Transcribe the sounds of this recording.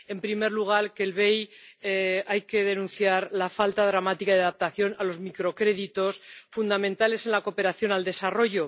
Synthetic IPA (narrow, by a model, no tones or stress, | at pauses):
e̞mpɾime̞ɾluɣ̞aɾkelβe̞j | ajke̞ð̞e̞nũn̟θjaɾlafalt̪aðɾamat̪ikaðaðap̚t̪aθjo̞nalo̞zmikɾo̞kɾe̞ðit̪o̞sfund̪amẽ̞nt̪ale̞se̞nlako̞pe̞ɾaθjo̞nald̪e̞saro̞ʝo̞